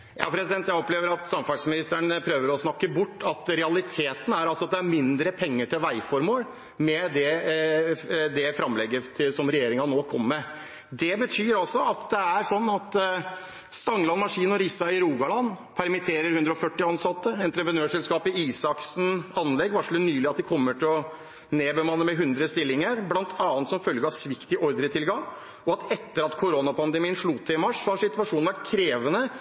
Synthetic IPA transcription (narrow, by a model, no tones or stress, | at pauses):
jɑ̰ːpʰɾɛsɪd̪ɛnt̪jæɪɔpleːʋəɾɑt̪sɑmfɑsmɪnɪst̪əɳpʰɾøːʋəɾɔsnɑkːəbʊʈːɑt̪ɾɛɑlɪt̪ʰeːt̪n̩æɾɑlsɔɑt̪̚d̪ɛæɾmɪnd̪ɾəpʰɛŋːəʈʰɪlʋæɪfɔɾmoːl | mɛd̪ɛ | d̪ɛfɾɑmlɛɡːət̪ʰɪsɔmɾɛjeːɾɪŋɑnoːkʰɔmːɛ | d̪ɛbət̪ʰyːɾɔlsɔɑt̪d̪ɛæɾʂɔnːɑt̪ | st̪ɑŋlɑnmɑʂiːnɔɾisːɑɪɾuːɡɑlɑnː | pʰæɾmɪt̪ʰeːɾəɾhʉnd̪ɾəɔfœʈːɪɑnsɑt̪ːəɛnt̪ɾəpɾənøːʂɛlskɑːpɪiːsɑksn̩ɑnlɛɡːʋɑʂlʉt̪nyːlɪɑt̪̚d̪ɪkʰɔmːəʈʰɪlɔ | neːbəmɑnːəmɛɦʉnd̪ɾəst̪ɪlːɪŋəɾblɑnt̪ʰɑːnt̪sɔmfœlɡəɑʋsʋɪkt̪ɪʔɔɾd̪əɾət̪ʰɪlɡɑŋ | ɔɑt̪ʰɛt̪ːəɾɑt̪kʰʊɾonɑpʰɑnd̪əmiːənʂɭʊt̪ʰːɪɪmɑʂsɔhɑʂɪt̪ʉɑʂuːnʋæʈ̚kʰɾeːʋənə